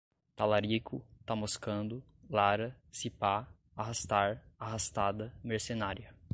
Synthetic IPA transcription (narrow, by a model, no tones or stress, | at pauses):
t̪alaɾikʰʊ̰t̪amoskɐ̃nd̪ʊ | laɾɐ | sipa | aɦast̪aɾaɦast̪ad̪ɐmeɾsenaɾiɐ